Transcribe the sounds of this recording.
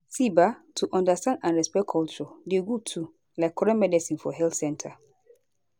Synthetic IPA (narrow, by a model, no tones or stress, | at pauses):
sibatʰuʔɔ̃ndastãndãnɹɛspɛkʰɔlt͡ʃɔdeɡutʰu | laɪkʰːɔɹɛ̃mɛdɛsĩŋfɔɦɛlθsɛ̃ntʰa